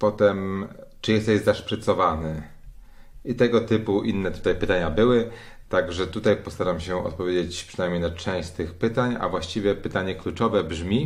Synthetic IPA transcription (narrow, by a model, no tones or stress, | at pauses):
pɔt̪ɛmt͡ʂɘjɛst̪ɛʑzaʂpɾɘt̪sɔvanɘ | it̪ɛɡɔt̪ɘpuʔinːɛt̪ut̪ajpɘt̪aɲabɘwɘ | t̪aɡʐɛt̪ut̪ajpɔst̪aɾamɕɛɔ̰t̪̚pɔvʲed͡ʑet͡ɕpʂɨnajmɲejnat͡ʂɛ̃w̃ɕt͡ɕt̪ɘxpɘt̪aɲa̰vwaɕt͡ɕivʲjɛpɘt̪aɲɛklut͡ʂɔvɛbʐmʲi